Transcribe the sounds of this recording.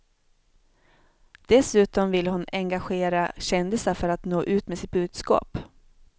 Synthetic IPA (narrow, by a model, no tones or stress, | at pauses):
d̪̥ɛsʉ̟ːt̪ɔmvɪlhʊnɛŋɡaɧeːɾaɕɛnd̪ɪsafœɾat̪noːʔʉ̟ːt̪mɛsɪt̪̚bʉ̟ːd̪skɑ̰ːp